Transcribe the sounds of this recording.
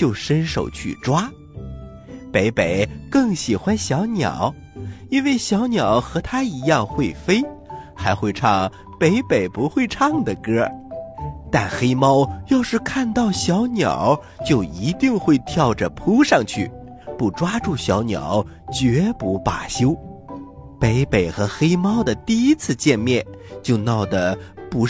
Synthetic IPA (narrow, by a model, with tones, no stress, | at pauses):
t͡ɕjo˥˩ʊʂə˥nʂo˨˩ʊt͡ɕʰy̰˥˩ʈ͡ʂwa˥ | pe˧˥ɪpe˨˩ɪkɤ˥˩ŋɕi˨˩xwa˥nɕjɑ˧˥ʊnjɑ̰˨˩˦ʊ | i˥nwe˥˩ɪɕjɑ˧˥ʊnjɑ˨˩˦ʊxɤ˧˥t̪ʰa˥i˧˥jɑ˥˧ŋxwe˥˩ɪfe˥ɪxa˧˥ɪxwe˥˧ɪʈ͡ʂʰɑ˥˩ŋ | pe˧˥ɪpe˨˩ɪpu˧˥xwe˥˧ɪʈ͡ʂʰɑ˥˩ŋd̪ə˩kɤ˥ | t̪a˥˩nxe˥ɪmɑ˥ʊjo˥˧ʊʂɻ̩˥˧kʰa˥˧nt̪ɑ˥˩ʊɕjɑ˧˥ʊnjɑ̰˨˩˦ʊ | t͡ɕjo˥˩ʊi˧˥t̪i˥˧ŋxwe˥˧ɪt̪ʰjɑ˥˩ʊʈ͡ʂə˩pʰu˥ʂɑ˥˧ŋt͡ɕʰy̰˥˩ | pu˥˩ʈ͡ʂwa˥ʈ͡ʂu˥˩ɕjɑ˧˥ʊnjɑ̰˨˩˦ʊ | t͡ɕɥɛ˧˥pu˧˥pa̰˨˩ɕjo˥ʊ | pe˧˥ɪpe˨˩ɪxɤ˧˥xe˥ɪmɑ˥ʊd̪ə˨t̪i˥˧i˥t͡sʰɹ̩˥˧t͡ɕjɛ˥˧nmjɛ˥˩nt͡ɕjo˥˧ʊnɑ˥˩ʊd̪ə˩pu˧˥